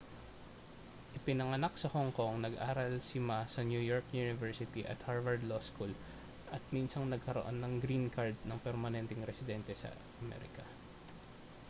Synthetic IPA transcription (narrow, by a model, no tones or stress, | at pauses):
ʔɪpɪnɐŋɐnak̚sɐhoŋko̞ŋnɐɡʔaːɾɐlsɪmasɐnjujoɹkjunɪvɛɹsɪt̪iʔɐ̰t̪̚haɹvɐɹd̪loskul | ʔɐt̪̚minsɐŋnɐɡ̚kɐɾoʔo̞̰nːɐŋɡɾinkɐɹd̪̚nɐŋpɛɾmɐnɛnt̪ɛŋɾɛsɪd̪ɛnt̪ɛsɐ̰ | ɐmɛ̰ːɾɪ̰kɐ